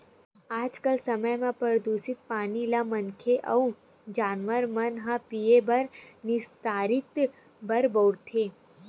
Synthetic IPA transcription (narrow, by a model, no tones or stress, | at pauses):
aːd͡ʒkəlsəməjmẽpəɾd̪usɪt̪̚paːnilamənkʰeʔɐ̰ũ | d͡ʒaːnʋəɾmɐnɦãpiebɐɾnɪst̪aːɾɪt̪ | bɐɾboːɽt̪ʰeː